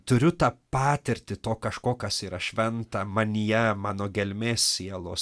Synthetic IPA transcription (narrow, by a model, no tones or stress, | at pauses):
t̪ʊɾʲʊt̪ɑːpɑːt̪ʲɪɾʲt̪ʲɪt̪oːkɐʃkoːkɐsiːɾɐʃʲʋʲɛnt̪ɐmɐnʲijɛmɑːnoːɡʲɛlʲmʲeːssʲiɛlˠoːs